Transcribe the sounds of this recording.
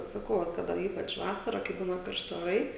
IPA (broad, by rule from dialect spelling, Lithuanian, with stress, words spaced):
sɐˈkɐʊ ʋɐt ˈkɑːdɐ ˈiːpɐt͡ʃ ˈʋɑːsɐrɐ kɐɪ ˈbuːnɐ kɐrʲˈʃʲtʲɪ oːˈrɐɪ